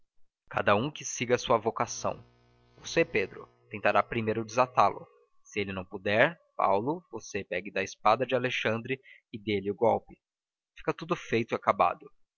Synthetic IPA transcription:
ka̰d̪ɐũkɪsiɡɐsuɐvokasɐ̰̃w̃ | voseped̪ɾʊ̰ | t̪ẽnt̪aɾapɾimejɾʊd͡ʒɪzat̪alʊ̰ | sɪelɪnɐ̃w̃pud̪ɛɾ | pa̰wlʊvosepɛɡɪd̪ɐɪspad̪ɐd͡ʒɪaleʃɐ̃nd̪ɾɪ | ɪd̪elɪʊɡɔwpɪ̥ | fi̥kɐt̪ud̪ʊfejt̪ʊiakaba̰d̪ʊ

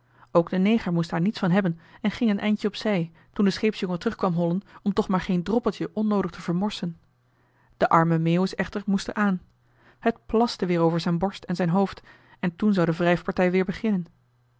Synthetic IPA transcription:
owɡdənejχəɹmustdaːɹnitsfɑnɦɛbənɛnχɪŋənʔɛjncəɔpsɛj | tundəsχejpsjɔŋətərɵχkʋɑmɦɔlənɔmtɔχmaːɹχejndrɔpəlˠtəʔɔnːowdəχtəv̥əɹmɔɹsən | d̥əʔɑɹməmeːwəsɛχtəɹmustə̰ɹʔaːn | hətplɑstəʋɪːɹowvəɹzɛjnbɔɹstɛnzɛjnɦowft | ɛntunzɑwdəvrɛjfpɑɹtɛjʋɪːɹbəχɪnən

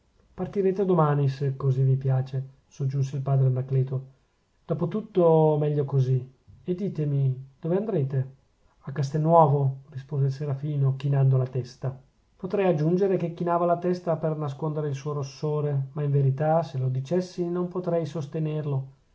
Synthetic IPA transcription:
part̪iɾeːt̪ed̪omaːnisekːozivipjaːt͡ʃe | sod͡ʒːuns̬eilpaːd̪ɾeanːakleːt̪o | d̪̥ɔːpot̪ut̪ːomɛʎːokozi | ed̪ːiːt̪emid̪̥oveand̪ɾeːt̪e | akːas̬t̪ɛnːwɔːvorispoːzeilseɾafiːnok̟inand̪olat̪ɛst̪a | pot̪ɾɛjad͡ʒːund͡ʒeɾek̟ekːinaːvalat̪ɛst̪apernas̬kond̪eɾeilsuoɾosːoːɾemaiɱveɾit̪aselod̪it͡ʃɛsːinompot̪ɾɛjsost̪enerlo

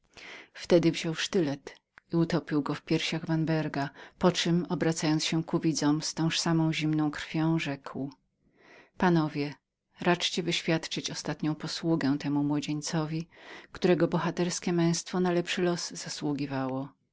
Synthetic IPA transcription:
ft̪ɛd̪ɘvʑɔwʂt̪ɘlɛt̪ | iut̪ɔpʲiwɡɔfpʲjɛɾɕaɣvanbɛɾɡapɔt͡ʂɘmɔbɾat̪sajɔnt̪sɕɛkuvʲid̪zɔ̃mst̪ɔ̃w̃ʂsamɔ̃w̃ʑimnɔ̃w̃kɾfʲjɔ̃w̃ʐɛkw | panɔvʲjɛ | ɾat͡ʂt͡ɕɛvɘɕfʲjat̪t͡ʂɘt͡ɕɔst̪at̪ɲɔ̃w̃pɔswuɡɛ̃w̃t̪ɛmumwɔd͡ʑeɲt̪sɔvʲikt̪uɾɛɡɔbɔxat̪ɛɾskʲɛmɛ̃w̃st̪fɔnalɛpʂɘlɔzz̥aswuɡʲivawɔ

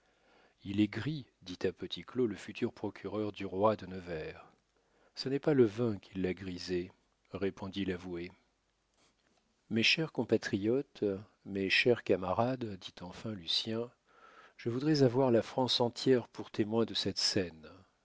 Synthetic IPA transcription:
ilɛɡʁid̪it̪apət̪ikloləfyt̪ʰyʁpχɔkʲʰyʁœʁd̪yʁwad̪ənəvɛʁ | sənɛpaləvɛ̃kʰʲilːaɡʁize | ʁepʰɔ̃d̪ilavue | meʃɛʁkɔ̃pat̪χijɔt̪ | meʃɛʁkamaʁad̪d̪it̪ɑ̃fɛ̃lysjɛ̃ | ʒ̥əvud̪ʁɛzavwaʁlafχɑ̃sɑ̃t̪jɛʁpuʁt̪emwɛ̃d̪əsɛt̪sɛn

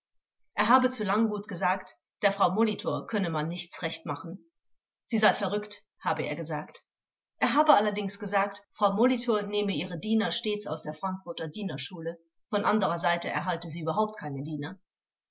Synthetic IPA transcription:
ʔeːɐɦaːbət͡suːlaŋɡuːtɡ̥əzaːkt | d̥eːɐfʁ̥aʊmolitʰoːɐkʰœnəmanːɪçt͡sʁɛçtmaχn̩ | z̥iːzaɪfɛɐʁʏkt | haːbəʔḛːɐɡəzaːkt | ʔeːɐɦaːbəalɐdɪŋsɡ̥əzaːktfʁ̥aʊmolitʰoːɐneːməʔiːʁədiːnɐʃteːt͡sa̰ʊsd̥eːɐfʁ̥aŋkfʊɐtɐdiːnɐʃuːlə | fɔnʔandəʁɐzaɪtəɛ̰ɐɦaltəziːyːbɐɦaʊp̚tkʰaɪnədiːnɐ

